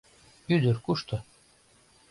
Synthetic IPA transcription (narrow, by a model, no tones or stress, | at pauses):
yd̪ɘɾkuʃt̪ɤ̆